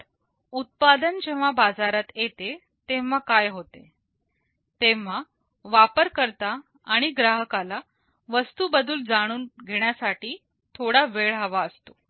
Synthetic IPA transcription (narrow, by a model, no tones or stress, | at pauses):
ut̪̚pad̪ənd͡ʑeʋ̤abad͡zaɾat̪jet̪e | t̪eʋʋakajɦot̪e | t̪eʋ̤a | ʋapəɾkəɾt̪aː | ɽ̃iɡɾaɦəkala | ʋəst̪uːbəd̪ʱuːld͡zaɽ̃uːnɡʱeɳ̃jasaʈiː | t̪ʰoɽaʋeɭɦaʋaəst̪o